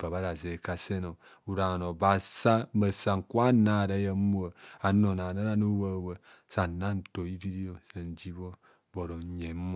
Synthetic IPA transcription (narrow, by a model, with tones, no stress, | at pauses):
ba˨βa˦ɾa˨ze˨ka˦se˦no˨ | u˨ɾa˨no˨ba˨sa˦mə˨sa˨ŋ̩˨kwa˦na˦˨da˨˦ja˨˦mu˦a˨a˨no˨na˨na˦ɾa˦no˦wa˦˨wə˨ | sa˨na˦n˨to˨i˦vi˦di˦o˨sa˨n˨d͡ʒi˦bo˦ | bo˨ɾo˨ɲe˨˦m